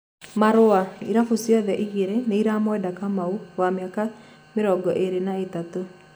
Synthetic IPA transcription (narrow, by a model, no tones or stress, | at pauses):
maɾoaiɾafusjɔðɛʔiɣeɾeneiɾamowɛdakamauwameaka | meɾɔɡɔʔeɾenaetato